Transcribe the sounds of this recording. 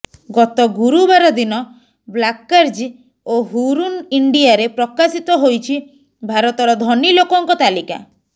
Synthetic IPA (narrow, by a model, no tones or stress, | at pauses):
ɡɔt̪ɔɡuɾubaɾɔd̪inɔ | blakːaɾd͡ʒ | oɦuɾuniɳɖiaɾepɾɔkasit̪ɔɦojt͡ʃʰi | bʱaɾɔt̪ɔɾɔd̪ʱɔnilokɔŋkɔt̪alika̰